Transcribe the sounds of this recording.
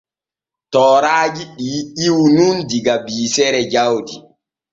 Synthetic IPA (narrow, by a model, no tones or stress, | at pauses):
tɔːɾaːd͡ʒiɗiiwnundiɡabiːsɛɾɛd͡ʒawdi